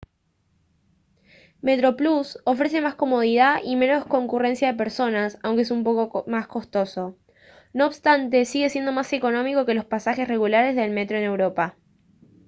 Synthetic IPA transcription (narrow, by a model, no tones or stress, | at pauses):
me̞t̪ɾo̞pluso̞fɾe̞se̞masko̞mo̞ð̞iðaʔime̞no̞sko̞ŋkure̞nsjaðe̞p̬eɾso̞nasawŋkees̬umpokomasko̞st̪o̞so̞ | no̞ːβst̪ant̪e̞siɣe̞sjend̪o̞mase̞ko̞nõ̞miko̞ke̞lo̞spasaxe̞sre̞ɣulaɾe̞zðe̞lme̞t̪ɾo̞e̞ne̞wɾo̞pa